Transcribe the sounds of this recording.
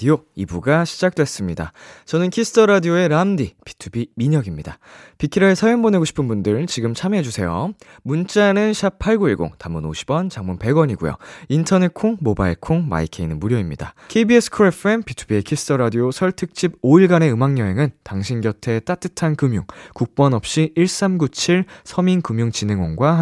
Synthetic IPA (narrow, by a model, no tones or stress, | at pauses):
dioibuɡaɕʰid͡ʑak̚t͈we̞s͈ɯmɲida̰t͡ɕʌnɯnkʰisʰɯ̥tʰʌɾadioe̞ɾamdipi̥tʰubimiɲʌɡimɲidapikʰiɾaesʰajoŋbone̞ɡoɕʰi̥pʰɯnbundɯɭt͡ɕiɡɯmt͡ɕʰamɦe̞d͡ʑusʰe̞jo̰ | munt͡ɕ͈anɯnɕʰapʰaɭɡoiɭɡo̰ŋtamuno̰ɕʰi̥b̥wʌnt͡ɕaŋmunpe̞ɡwʌɲiɡṵjo̰intʰʌne̞kʰoŋmobaiɭkʰoŋma̰ikʰeinɯnmuɾjʌimɲida̰kʰebiesʰɯ̥kʰɯɾepʰenpʰitʰubie̞kʰisɯ̥t͈ʰʌɾadiosʰʌɭtʰɯk̚t͡ɕ͈ʰiboiɭɡane̞ɯmaŋɲʌɦe̞ŋɯntaŋɕʰinɡjʌtʰe̞t͈at͈ɯtʰankɯmjuŋkuk̚p͈ʌnʌp̚ɕ͈iiɭs͈amɡut͡ɕʰiɭsʰʌminkɯmjuŋt͡ɕinɯŋwoŋɡwa